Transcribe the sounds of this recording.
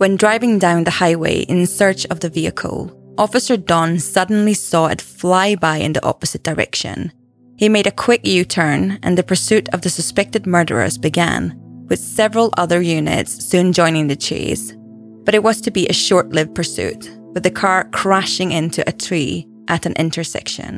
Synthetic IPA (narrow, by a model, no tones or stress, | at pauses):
wə̃ndɹaɪvɪ̃ŋdãʊ̃nðɨhaɪwḛɪʔɪ̰̃nsɜ˞t͡ʃʌvðɨviɨ̰kʰə̰l̩ˠʔɔfɨsə˞dɔ̃nsʌdⁿn̩lˠisɔɪ̰tflˠaɪbaɪɪ̰̃nðiʔɔ̰pɨz̥ɨt̚d̥ə˞ɛ̰kʃɨ̰̃n | imeɪɾɨkʰw̥ɪk̚nʉtʰɜ̃˞nʔɨ̰̃nðɨpʰə˞sʉɾʌvðɨsəspɛk̚tɨd̚mɜ˞ɾə̰˞ə̰˞zbɨɡæ̰̃nwɨð̥sɛvɹəl̩ˠʔʌ̰ðə˞jʉnɨ̰tsːʉ̃nd͡ʒɔ̃ɪ̃nɪ̃ŋðɨt͡ʃʰḛz̥ | b̥ʌɾɨʔ̚wʌz̥tʰɨbiʔɨʃɔɹʔlɪvpʰə˞sʉ̰ʔ | wɨðɨkʰɑɹkʰɹ̥æʃɪ̃ŋɪ̃ntʰʉʔɨtʰɹ̥i | ʔɨɾɨ̃nʔɪ̰̃ntʰə˞sɛ̰kʃɨ̰̃n